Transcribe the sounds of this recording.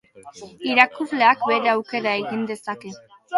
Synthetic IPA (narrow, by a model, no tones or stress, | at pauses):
iɾakuvle̞akbe̞ɾeawke̞ɾae̞ɣind̪e̞sake̞